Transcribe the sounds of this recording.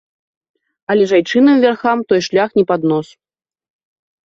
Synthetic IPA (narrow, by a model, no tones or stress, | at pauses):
ɐlʲɛʐajt͡ʂɨnɨmvʲarxamt̪ɔjʂlʲaxnʲɛpad̪nɔsu̥